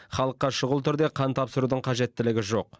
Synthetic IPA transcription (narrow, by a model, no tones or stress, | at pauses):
χɑlˠəqːɑʃʊʁəlˠt̪ʰʏɾd̪e̞qʰɑnt̪ʰɑpsəɾud̪əɴqʰɑʒe̞t̪ːɪlɪɡʲɪʒo̞q